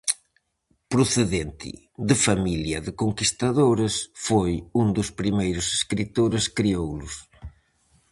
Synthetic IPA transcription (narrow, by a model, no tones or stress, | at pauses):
pɾʊθeðent̪ʰɪ̰ | ðɪfamiljɐðɪkoŋkist̪aðoɾɐsfojund̪ʊspɾimejɾʊse̥skɾit̪oɾɪskɾiowlʊs